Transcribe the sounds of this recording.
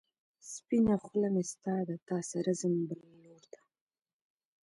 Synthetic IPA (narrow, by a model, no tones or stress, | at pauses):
spinaχʊlamest̪ɑːd̪at̪ɑsaɾazəmbaɾnoɾd̪ḁ